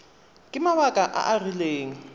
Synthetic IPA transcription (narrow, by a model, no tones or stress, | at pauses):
kʼɪmaβakʼaʔa̰ʔarileːŋ̩